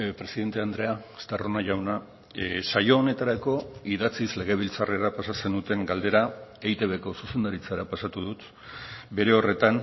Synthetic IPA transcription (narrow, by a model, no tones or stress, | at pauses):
pɾe̞siðe̞nt̪e̞and̪ɾe̞ast̪aro̞naʝawna | sajo̞ːne̞t̪aɾako̞iðat͡sizle̞ɣ̞e̞β̞ilt͡sare̞ɾapasase̞nd̪ut̪e̞ŋɡald̪e̞ɾaejt̪e̞βe̞ko̞suse̞nd̪aɾit͡saɾapasat̪uð̞ut̪ | be̞ɾe̞o̞re̞t̪an